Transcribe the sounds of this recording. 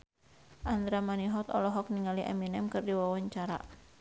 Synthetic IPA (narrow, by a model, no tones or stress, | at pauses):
ʔand̪ɾamaniɦɔt̪ɔ̰lɔɦɔk̚niŋaliʔa̰minɛmkɨrdiwawaɲt͡ʃaɾa̰